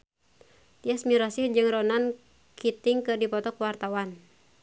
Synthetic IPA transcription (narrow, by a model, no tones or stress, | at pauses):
t̪iasmiɾasihd͡ʒɨŋrɔnan | kʰit̪ɪŋkɨrdipɔt̪ɔkwart̪awan